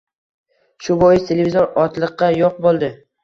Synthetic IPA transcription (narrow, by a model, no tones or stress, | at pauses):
ʃʊbɒjɪst̪ʰe̞levizoɾɒt̪lˠɨqːɑjoq̚bolˠd̪ɪ